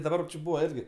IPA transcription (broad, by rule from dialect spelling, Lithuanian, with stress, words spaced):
dɐˈbɐr t͡ʃʲɪ ˈbuːʋɐ ˈɪrʲɡʲɪ